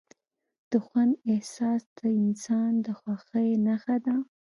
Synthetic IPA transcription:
d̪̥əxwand̪ɪhsɑsd̪̥əɪnsɑnd̪əxwaxəjnaxad̪a

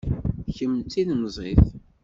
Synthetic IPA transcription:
çəmt͡s̪ːinnəzˤiθ

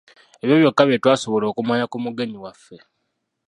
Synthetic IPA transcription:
e̞βjo̞ːβjo̞kːaβjetwaːso̞βo̞lo̞ːkumwaːɲakumuɡe̞ɲiwafːe̞

